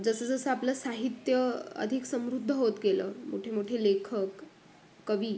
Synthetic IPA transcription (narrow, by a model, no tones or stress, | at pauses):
d͡zəsəd͡zəsəaplasaɦit̪jəə̰d̪ʱiksəmɾud̪ʱːəɦot̪ɡelə̰ːmo̰ʈʰemoʈʰelekʰəkː | əʋiː